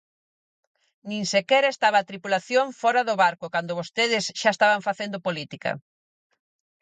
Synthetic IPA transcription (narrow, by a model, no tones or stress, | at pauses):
nĩŋsekɛɾaest̪aβ̞aːt̪ɾipulaθjoŋfɔɾaðoβaɾkʊkand̪oβost̪eðɪsʃaest̪aβaɱfaθend̪opolit̪ikɐ̰